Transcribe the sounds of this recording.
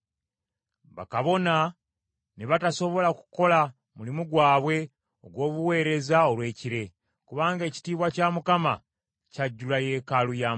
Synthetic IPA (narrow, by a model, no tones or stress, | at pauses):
βa̰kaβo̞na | neβatasoβo̞laku̥ko̞la | mulimuɡwaːβwe̞ | o̞ɡwo̞ːβuwe̞ːɾe̞zao̞lwe̞ːciɾe̞ | kuβaːŋɡe̞ːci̥tiːβwacaːmukama | caɟːulaje̞kalujaːm